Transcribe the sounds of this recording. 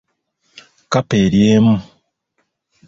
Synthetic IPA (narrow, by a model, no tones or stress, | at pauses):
kapeɾjeːmu